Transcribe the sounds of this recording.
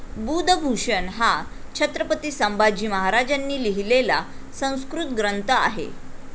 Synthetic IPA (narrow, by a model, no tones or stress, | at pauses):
bud̪ʱəɡʱuʂənɦa | t͡ɕʰət̪ɾəpət̪iːsəmbad͡ʑiːməɦaɾad͡ʑanːiːliɦilela | sə̃w̃skɾut̪̚ɡɾənt̪əa̰ɦḛ